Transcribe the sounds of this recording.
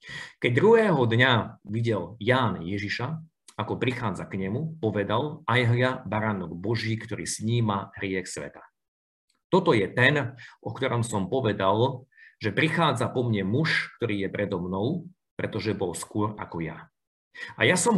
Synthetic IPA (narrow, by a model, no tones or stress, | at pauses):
kɛɟ̚d̪ɾuɦɛːɦɔd̪ɲaʋiɟɛljaːnjɛʒiʃa | akɔpɾixaːd͡zakɲɛmupɔʋɛd̪alajɦlɪabaɾaːnɔɡ̚bɔʒiːkt̪ɔɾḭːsɲiːmaɦɾɪɛxsʋɛ̰t̪ḁ | t̪ɔt̪ɔjɛt̪ɛnʔɔkt̪ɔɾɔmsɔmpɔʋɛd̪alʒɛpɾixaːd͡zapɔmɲɛmuʃkt̪ɔɾiːjɛpɾʔɛd̪ɔmnɔʊ | pɾɛt̪ɔʒɛbɔlskʊɔɾa̰kɔja̰ | ajasɔm